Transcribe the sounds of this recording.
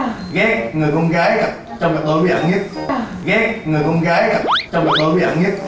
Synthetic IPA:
ɣɛ˨˦˥ŋɨ˨˩əjkɔ˧nɣaː˨˦jɣa˨˩p̚t͡ɕɔ˧ŋ͡ml̚ɓo̰˧˦wi˨˦˩ʔə̰˧˩˦ŋɲə˦˥t̚ɣɛ˨˦˥ŋɨ˨˩jkɔ˧nɣaː˨˦jɣa˨˩p̚t͡ɕɔ˧ŋ͡mlk̚ɓo˧˦wi˨˦ʔə̰˧˦ŋɲə˦˥t̚

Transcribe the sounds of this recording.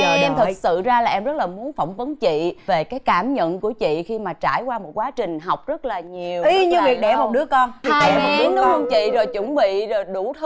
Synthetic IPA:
ʔɛ˧mt̪ʰɨ˨˩k̚sɨ̰˧˨zaː˧laː˨˩ʔɛ˧mzə˦˥t̚laː˨˩mu˨˦ənfə˧˩wŋ͡mvə˨˦nt͡ɕḭ˧˨ve˨˩kaː˨˦jkaː˧˩mɲə̰˧˨nku˧˩ət͡ɕḭ˧˨xi˧maː˨˩t͡ɕaː˧˩jkwaː˧mo˨˩t̚kwaː˨˦t͡ɕï˨˩ŋ̟ɦa˨˩wk͡p̚zə˦˥t̚laː˨˩ɲi˨˩əwi˧ɲɨ˧vi˨˩əɗɛ˧˩mo˨t̚ɗɨ˦˥əkɔ˧n˨aː˧jɨ˨˦˥nɗə˧nt͡ɕḭ˧˨zo˨˩jt͡ɕə˧˩˦nɓḭ˧˨zo˨˩jɗu˧˩t̪ʰ

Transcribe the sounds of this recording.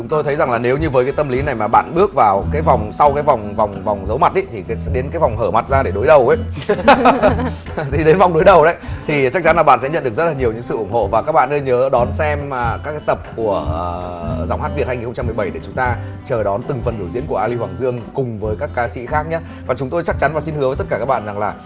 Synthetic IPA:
t͡ɕʊ˨˦ŋ͡mt̪o˧jt̪ʰə˨˦jza˨˩ŋlaː˨˩ne˨˦wɲɨ˧vəː˨˦jkaː˨˦jt̪ə˧mli˨˦na˨˩jmaː˨˩ɓa̰ː˧˨nɓɨ˦˥ək̚vaː˨˩wkaː˨˦jva˨˩wŋ͡msa˧wkaː˨˦jva˨˩wŋ͡mva˨˩wŋ͡mva˨˩wŋ͡mzə˨˦wma˨˩t̚ɗə˨˦t̪ʰi˨˩˨sɛ̰˧˥ɗe˨˦nkaː˨˦jva˨˩wŋ͡mɦəː˧˩ma˨˩t̚zaː˧ɗe˧˩ɗo˨˦jɗə˨˩wʔə˨˦ | t̪ʰi˨˩ɗe˨˦nva˨˩wŋ͡mɗo˨˦jɗə˨˩wɗə̰˨˦jt̪ʰi˨˩t͡ɕa˦˥k̚t͡ɕa˨˦nlaː˨˩ɓa̰ː˧˨nsɛ̰˧˥ɲə˧nɗɨ˨˩əkzə˦˥laː˨˩ɲi˨˩əwɲɨ̰˧˥ŋsɨ̰˧˨ʔʊ˧˩ŋ͡mho̰˧˨vaː˨˩kaː˦˥k̚ɓa̰ː˧˨nəː˧ɲəː˨˦ɗɔ˨˦nsɛ˧mː˨˩kaː˦˥kaː˨˦jt̪ə˨˩p̚ku˧˩əəː˨˩za˧˩wŋ͡mhaː˦˥t̚vi˨˩t̚ha˧ŋi˨˩nxo˧ŋ͡mt͡ɕa˧mː˨˩ɓjɗe˧˩t͡ɕʊ˨˦ŋ͡mt̪aː˧ | t͡ɕəː˨˩ɗɔ˨˦nt̪ɨ˨˩ŋfə˨˩nɗ̪ʰzḭ˧˥ənku˧˩əʔaː˧li˧hwaː˨˩ŋzɨ˧əŋkʊ˨˩ŋ͡mvəː˨˦jkaː˦˥kːaː˨˦sḭ˧˥xaː˦˥k̚ɲaː˨˦ | vaː˨˩t͡ɕʊ˨˦ŋ͡mt̪o˧jt͡ɕa˦˥t͡ɕa˨˦nvaː˨˩si˧nhɨ˨˦əvəː˨˦t̪ə˦˥tkaː˧˩kaː˦˥k̚ɓa̰ː˧˨za˨˩ŋlaː˨˩

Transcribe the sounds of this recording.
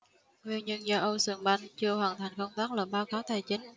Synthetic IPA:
ŋwi˧ənɲə˧nzaː˧ʔə˧sɨ˧˩əŋɓa˧jŋt͡ɕɨ˧əhwaː˧˨˩nt̪ʰa˨˩jŋ̟kə˧wŋ͡mt̪aː˦˥k̚ləː˧˩ɓaː˧wxaː˨˦wt̪ʰaː˧˨˩jt͡ɕï˨˦ŋ̟

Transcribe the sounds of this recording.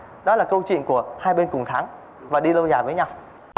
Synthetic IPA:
ɗɔ˨˦laː˨˩kə˧wt͡ɕḭ˧˨ənku˧˩əhaː˧jɓe˧nkʊ˨˩ŋ͡mt̪ʰaː˨˦ŋ | vaː˨˩ɗi˧lə˧wzaː˧˩vəː˨˦jɲa˧w

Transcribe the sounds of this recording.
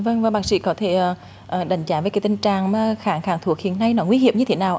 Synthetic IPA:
və˧ŋvaː˨˩ɓaː˨˦k̚sḭ˧˥kɔ˨˦t̪ʰe˧˩ʔː | ʔəː˨˩ɗa˨˩jŋ̟t͡ɕaː˨˧˩vəː˨˦ka˨˦t̪ï˧ŋt͡ɕaː˨˩ŋma˨˦xaː˧˩ŋxaː˧˩ŋt̪ʰu˧˩ək̚hḭ˧˨ənːa˧jnɔ˨˦ŋwi˧˦hḭ˨˧˩əm̚ɲɨ˧e˨˦naː˨˩w

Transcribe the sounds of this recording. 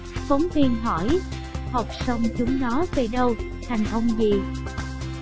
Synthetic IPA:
fɔ˨˦wŋ͡mt̪i˧nɦɔ˧˩˨j | hə˨˩p̚sə˧wŋ͡mt͡ɕʊ˨˦ŋ͡mnɔ˨˦ve˨˩ɗə˧w | t̪ʰa˨˩jŋ̟ʔə˧wŋ͡mzi˨˩

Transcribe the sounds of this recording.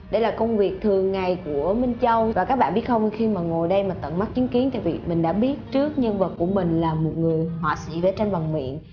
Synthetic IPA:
ɗə˧˩jlaː˨˩kə˧wŋ͡mvi˨˩ək̚t̪ʰɨ˨˩əŋːa˨˩jku˧˩əmi˧ŋ̟t͡ɕə˧wvaː˨˩kaː˦˥k̚ɓa̰ː˧˨nɓi˦˥ət̚xə˧wxi˧maː˨˩ŋo˨˩jɗə˧jmaː˨˩t̪ə̰˧˨nma˦˥t̚t͡ɕi˨˦ənki˨˦ənt̪ʰa̰˧˨vi˨˩mï˨˩ŋ̟ɗa̰ː˧˥ɓi˦˥ət̚t͡ɕɨ˦˥ək̚ɲə˧nvə˨˩t̚ku˧˩əmï˨˩ŋ̟laː˨˩mo˨˩t̚ŋɨ˨˩əjhwa̰˧˨sḭ˧˥ve˧˩t͡ɕa˧mva˨˩ŋmḭ˧˨ən

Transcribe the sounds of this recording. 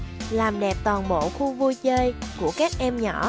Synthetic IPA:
laː˨˩mɗɛ˨˩p̚t̪wɔː˨˩nmo̰˧˨xu˧vu˧jt͡ɕəː˧jku˧˩əkaː˦˥k̚ʔɛ˧mɲɔ̰˧˩˨

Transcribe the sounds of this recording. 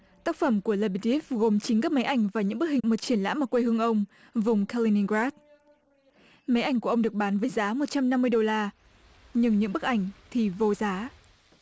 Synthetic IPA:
t̪aː˦˥k̚fə˧˩mku˧˩əla˧ɓi˧˩ti˦˥f̚ɣo˨˩mt͡ɕi˨˦ŋ̟kaː˦˥k̚ma˨˦jʔa˧˩jŋ̟vaː˨˩ɲɨ̰˧˥ŋɓɨ˦˥k̚hï˨˩ŋmo˨˩t̚t͡ɕi˧˩ənla̰ː˧˥maː˨˩kwe˧hɨ˧əŋʔə˧wŋ͡m | vʊ˨˩ŋ͡mkʰa˧li˧ni˧ŋɡɹaː˦˥t̚ | ma˨˦jʔa˧˩jŋku˧˩əʔŋ͡mɗɨ˨˩ək̚ɓaː˨˦nvəː˨˦jzaː˨˦mo˨˩t̚t͡ɕa˧mna˧mːɨ˧əjɗo˧laː˧ | ɲɨ˧ŋɲɨ̰˧˥ŋɓɨ˦˥k̚ʔa˧˩ŋ̟t̪ʰi˨˩vo˧˩zaː˨˦

